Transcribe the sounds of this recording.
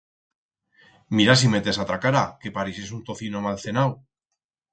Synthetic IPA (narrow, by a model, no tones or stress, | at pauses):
miɾas̬imet̪e̞sat̪ɾakaɾake̞paɾises̬unt̪o̞θinomalθe̞naw